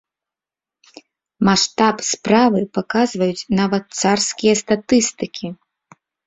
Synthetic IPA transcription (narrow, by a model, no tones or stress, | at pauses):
maʂt̪apspɾavɨpakazvɐjut͡sʲnavɐt̪̚sarskʲijɐst̪at̪ɨst̪ɨkʲi